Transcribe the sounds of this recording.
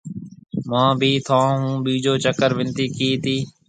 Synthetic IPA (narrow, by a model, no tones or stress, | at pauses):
mãːbʱiːt̪ʰãːɦũːbiːd͡ʒoːt͡ʃəkəɾʋɪnt̪iːkiːt̪iː